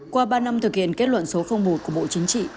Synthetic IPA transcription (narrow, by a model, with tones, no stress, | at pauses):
kwaː˧ɓaː˧na˧mt̪ʰɨ˨˩k̚hḭ˧˨ənke˦˥t̚lwə̰˧˨nso˨˦xə˧wŋ͡mɓo˨˩t̚ku˧˩əɓo̰˧˨t͡ɕï˨˦ŋ̟t͡ɕḭ˧˨